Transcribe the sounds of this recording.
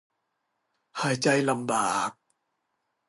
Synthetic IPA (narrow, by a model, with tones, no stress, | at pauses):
haː˩˦jt͡ɕa˧jla˧mbaː˨˩k̚